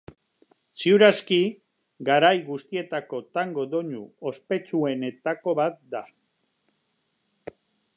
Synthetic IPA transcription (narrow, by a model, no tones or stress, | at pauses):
siuɾaski | ɡaɾajɣust̪ie̞t̪ako̞t̪aŋɡo̞d̪o̞ɲuo̞spe̞t͡sue̞ne̞t̪ako̞βat̪̚d̪a